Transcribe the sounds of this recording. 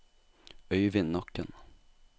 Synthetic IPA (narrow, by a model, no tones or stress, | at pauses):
œjvɪnːɔkːən